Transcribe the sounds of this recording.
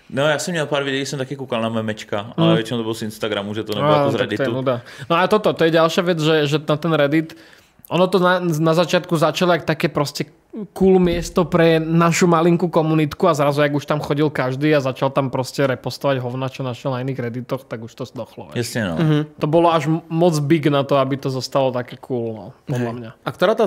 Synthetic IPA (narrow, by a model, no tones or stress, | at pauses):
nɔjaːsɔmɲɛlpaːɾʋid̪ɛjisɔmt̪akɛːkukalnamɛɛmɛt͡ʃka̰alʋɛt͡ʃinɔ̃d̪ɔbɔlzinst̪aɡɾamuʒɛt̪ɔnɛazɾɛd̪it̪ɔjɛunud̪anɔalɛt̪ɔt̪ɔt̪ɔjɛɟalʃɪaʋɛd͡zʒɛʒɛt̪at̪ɛnɾɛd̪it̪ | ʔɔnɔt̪ɔnanazat͡ʃɪat̪̚kuzat͡ʃaliak̚t̪akɛːpɾɔscɛ | kuːlmɪɛst̪ɔpɾɛnaʃumaliŋkukɔmunit̪kuazɾazujaɡuʃt̪amxɔɟilkaʒd̪iːazat͡ʃalt̪ampɾɔscɛɾɛpɔst̪ɔʋaɟɦɔʊnat͡ʃɔnaʃɛlnainiːɣɾɛd̪it̪ɔxt̪aɡuʃt̪ɔsd̪ɔxlɔ̰ʋɛ̰jasɲɛnɔ̰ɦt̪ɔbɔlɔaʒmɔd͡zbiɡnat̪ɔabit̪ɔzɔst̪alɔt̪akɛːkʰuːlnɔ̰pɔd̪lamɲaak̚t̪ɔɾaːt̪a